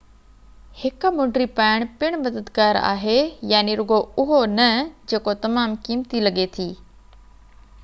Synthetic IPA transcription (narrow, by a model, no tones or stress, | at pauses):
hɪkmʊ̃ɳɖɾipaːɪɽ̃pɪɽ̃mɐd̪əd̪ɡaːɾa̰ːɦejaːniɾʊɡoʊɦonɐd͡ʑeːkot̪ɐmaːmkiːmt̪ilɐɠet̪ʰiː